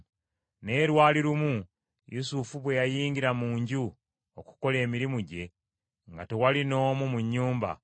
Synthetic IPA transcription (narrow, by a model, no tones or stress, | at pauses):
ne̞ːɾwaːliɾumu | jusufuβwe̞jajiːɲɡiɾamuːɲɟu | oku̥ko̞le̞ːmiɾimuɟe̞ | ŋɡate̞walino̞ːmumuɲːuːmba̰